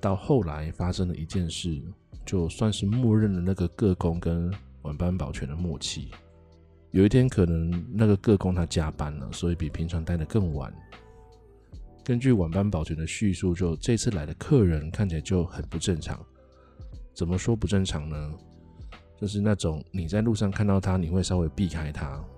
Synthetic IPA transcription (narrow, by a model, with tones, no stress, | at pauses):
t̪ɑ˥˧ʊxo˥˩ʊla˧˦ɪfa˥ʂə˦˥ŋd̪ə˨i˧˥t͡ɕjɛ˥˧nʂɻ̩˥˩t͡ɕjo˥˧ʊswa˥˧nʂɻ̩˥˧mwɔ˥˧ɻə˥˩nlə˩na˥˩ɡə˩kɤ˥˨kʊ˥ŋkə˦˥nwa˨˩npa˥npɑ˨˩ʊt͡ɕʰɥɛ˧˦nd̪ə˨mwɔ˥˧t͡ɕʰḭ˥˩ | jo˨˩ʊi˥˩t̪ʰjɛ˥nkʰɤ˨˩nə˧˥ŋna˥˩ɡə˩kɤ˥˨kʊ˥ŋt̪ʰa˥t͡ɕja˥pa˥nlə̰˨swɔ˧˥i˨˩pi˨˩pʰi˧˥ŋʈ͡ʂʰɑ˧˥ŋt̪a˥˩ɪd̪ə˩kɤ˥˩ŋwa̰˨˩˦n | kə˦nt͡ɕy˥˩wa˨˩npa˥npɑ˨˩ʊt͡ɕʰɥɛ˧˦nd̪ə˧ɕy˥˧su˥˧t͡ɕjo˥˧ʊʈ͡ʂɤ˥˧i˥t͡s̩ʰ˥˩la̰˨˧˥ɪdə˨˩kʰɤ˥˨ɻə˧˦nkʰa˥˩nt͡ɕʰi˨la˨˧˦t͡ɕjo˥˩ʊhə˨˩npu˨˦ʈ͡ʂə˥˩nʈ͡ʂʰɑ̰˧˥˦ŋ | t͡sə˨˩mə˦ʂwɔ˥pu˧˥ʈ͡ʂə˥˩nʈ͡ʂʰɑ˧˥ŋnə˦ | t͡ɕjo˥˧ʊʂ̬ɻ̩˥˧na˥˩ʈ͡ʂʊ˨˩˦ŋni˨˩t͡sa˥˧ɪlu˥˧ʂɑ˥˨˧ŋkʰa˥˧nt̪ɑ˥˩ʊt̪ʰa˥ni˨˩we˥˩ɪʂɑ˥ʊwe˧˥ɪpi˥˩kʰa˥ɪt̪ʰa˦